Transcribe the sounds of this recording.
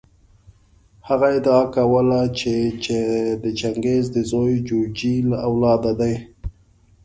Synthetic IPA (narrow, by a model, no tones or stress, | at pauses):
haɣaɪd̪ɑakawəlat͡ʃet͡ʃed̪ət͡ʃaŋɡezd̪əzɑjd͡ʒod͡ʒilaʔawlɑd̪ad̪aj